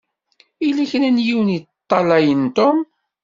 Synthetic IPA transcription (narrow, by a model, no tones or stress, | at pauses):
ilæçənænjiwnit̪ˤːɑlæjənt̪om